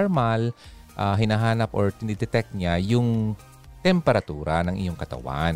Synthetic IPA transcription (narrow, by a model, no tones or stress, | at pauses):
ɹmal | ʔaɦɪnaɦaːnɐpʔoɹt̪ɪnid̪ɛt̪ɛk̚t̪̚ɲajʊŋ | t̪ɛmpɛɾɐt̪uːɾɐnɐŋʔɪ̰joŋkɐt̪ɐ̰wa̰n